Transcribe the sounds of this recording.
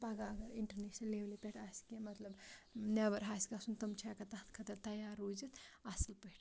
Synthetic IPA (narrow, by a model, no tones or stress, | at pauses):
paɡaɡɐɾiɳʈɐɾneʃnɐlːeʋlipeʈʰaskemɐt̪lɐbnabɐɾɦaːskʲasunt̪ɐmt͡ʃʰakɐt̪ɐt̪ʰkʰɐt̪ɐɾt̪ɐjaːɾːud͡ʒit̪asɐlpəʈʰ